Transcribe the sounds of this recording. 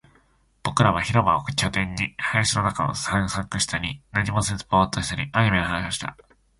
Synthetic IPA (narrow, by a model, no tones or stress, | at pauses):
b̥o̞kɯ̟ɾaβ̞açiɾo̞ba̰okɯ̟t͡ɕʲot̪ẽ̞ɲ̟ːihajɕino̞nakano̰sãɰ̃sakɯ̟ɕi̥t̪aɲ̟inaɲimo̞sɨpo̞ːt̪oɕi̥t̪aɾʲiʔaɲ̟ime̞ohãɕoɕi̥t̪a̰